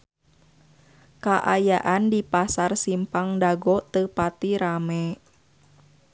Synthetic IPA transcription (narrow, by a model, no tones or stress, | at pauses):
kaʔajaʔandipasarsimpaŋdaɡɔt̪əpat̪iɾamɛ